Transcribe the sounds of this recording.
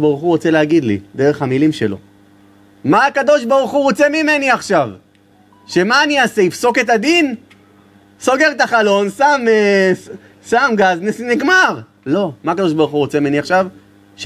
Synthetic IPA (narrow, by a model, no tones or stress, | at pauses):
baʁuχuʁo̞t͡se̞leaɡid̪lḭd̪eʁe̞χhamilimʃe̞lo̞̰ | maːkad̪o̞ʃbaʁuχuʁot͡semime̞niaχʃav | ʃe̞maːniaseifso̞ke̞t̪̬ad̪in | so̞ɡe̞ʁet̪aχalo̞nsame | samɡaznesniɡmaʁ | lo̞maakad̪o̞ʃbaʁuχuʁot͡semimeniaχʃav | ʃ